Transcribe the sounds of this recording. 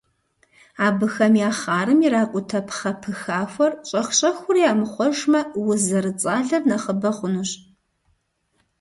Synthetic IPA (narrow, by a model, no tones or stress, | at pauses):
aːbɨxɐmjaːχaːɾɨmiɾaːkʷʼʊtʰɐpʰχɐpʰɨxaːxʷɔrɕʼɐχʷɕʼɐxʷʊrijaːmɨχʷɔʒmɐwʊzɐɾɨt͡sʼaːɮɐrnɐχəbɐχʷʊnuɕ